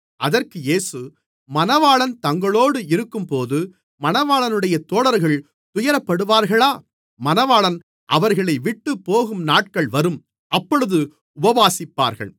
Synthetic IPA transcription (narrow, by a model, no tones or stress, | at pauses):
ʔɐðɐrkɯjeːsɯ | mɐnɐʋaːɭɐnt̪ɐŋɡɐɭoːɽɯɪɾɯkːɯmpoːðɯ | mɐnɐʋaːɭɐnɯɽɐjɐt̪oːɽɐɾɣɐɭ | t̪ʊjɐɾɐpːɐɽɯʋaːɾɣɐɭaː | mɐnɐʋaːɭɐn | ʔɐʋɐɾɣɐɭɐɪʋɪʈːɯpːoːɣɯmnaːʈ̚kɐɭʋɐɾɯm | ʔɐpːɔɻɯðɯ | ʊbɐʋaːsɪpːa̰ːɾɣɐ̰ɭ